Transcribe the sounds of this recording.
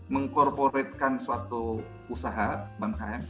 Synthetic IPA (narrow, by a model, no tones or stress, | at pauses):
məŋkɔrpoɛt̪̚kansəat̪u | usaɦabankaɛm